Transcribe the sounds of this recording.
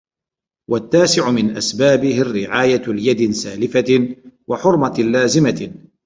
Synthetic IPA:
wat̪ːaːsɪʕʊmɪnʔasbaːbɪhɪrːɪʕaːjalɪjad̪ɪsaːlɪfawaħʊɾˤmalːaːzɪma

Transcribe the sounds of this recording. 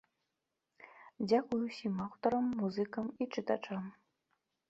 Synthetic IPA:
d͡zʲakujusʲimawt̪ɔɾəmːuzɨkɐmit͡ʂɨt̪at͡ʂam

